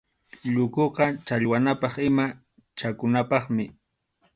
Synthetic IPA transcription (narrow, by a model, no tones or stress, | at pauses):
ʎʊkoqɑt͡ʃaʎwanapɑχɪma | t͡ʃakʊnapɑχmɪ